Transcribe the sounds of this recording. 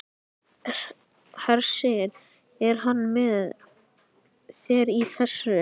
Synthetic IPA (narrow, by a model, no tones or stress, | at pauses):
haɾsɛɾ | ɛɾ̥ɦanːmɛð | sɛɾiθɛsʏ